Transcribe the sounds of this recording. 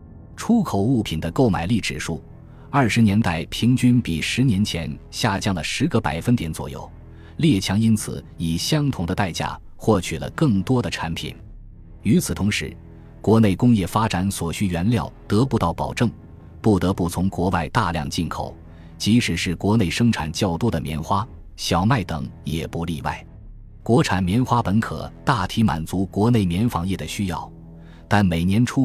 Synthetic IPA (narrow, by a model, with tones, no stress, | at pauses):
ʈ͡ʂʰu˥kʰo˨˩ʊu˥˩pʰi˨˩nd̪ə˦ko˥˩ʊma˨˩ɪli˥˩ʈ͡ʂɻ̩˨˩ʂu˥˩ | ɐ˞˥˩ʂɻ̩˧˥njɛ˧˥nt̪a˥˩ɪpʰi˧˥ŋt͡ɕy˥npi˨˩ʂɻ̩˧˥njɛ˧˥nt͡ɕʰjɛ˧˥nɕja˥˩t͡ɕjɑ˥ŋlə˩ʂɻ̩˧˥ɡə˥˧pa̰˨˩ɪfə˥nt̪jɛ˧˥nt͡swɔ̰˨˩jo̰˥˩ʊ | ljɛ˥˩t͡ɕʰjɑ˧˥ŋi˥nt͡sʰɹ̩̰˨˩˦ | i˨˩ɕjɑ˥ŋt̪ʰʊ˨˩ŋd̪ə˧t̪a˥˧ɪt͡ɕja̰˥˩ | xwɔ˥˩t͡ɕʰy˨˩lə̰˦kɤ˥˩ŋt̪wɔ˥d̪ə˨ʈ͡ʂʰa˧˥npʰḭ˨˩n | y˧˥t͡sʰɹ̩˨˩t̪ʰʊ˧˥ŋʂɻ̩˧˥ | kwɔ˧˥ne˥˩ɪkʊ˥ŋjɛ˥˩fa˥ʈ͡ʂa˧˥nswɔ˨˩ɕy˥ɥɛ˧˥nljɑ˥˩ʊt̪ɤ˧˥pu˧˥t̪ɑ˥˩ʊpɑ˨˩ʊʈ͡ʂɤ˥˩ŋ | pu˥˩t̪ɤ˧˥pu˥˩t͡sʰʊ˧˥ŋkwɔ˧˥wa˥˧ɪt̪a̰˥˧ljɑ̰˥˧ŋt͡ɕi˥˩nkʰo̰˨˩˦ʊ | t͡ɕi˧˥ʂɻ̩˨˩ʂɻ̩˥˩kwɔ˧˥ne˥˩ɪʂɤ˥ŋʈ͡ʂʰa̰˨˩nt͡ɕjɑ˥˩ʊt̪u˥d̪ə˨mjɛ̰˧˥nxwa˥ | ɕjɑ˨˩ʊma˥˩ɪt̪ɤ̰˨˩˦ŋjɛ̰˨˩pu˧˥lḭ˥˧wa̰˥˩ɪ | kwɔ˧˥ʈ͡ʂʰa˨˩nmjɛ˧˥nxwa˥pə˧˥nkʰɤ̰˨˩t̪a˥˩t̪ʰi˧˥ma̰˨˩nt͡su˧˥kwɔ˧˥ne˥˩ɪmjɛ˧˥nfɑ˧˥ŋjɛ˥˩d̪ə˩ɕy˥jɑ̰˥˩ʊ | t̪a˥˩nme˨˩ɪnjɛ˧˥nʈ͡ʂʰu˥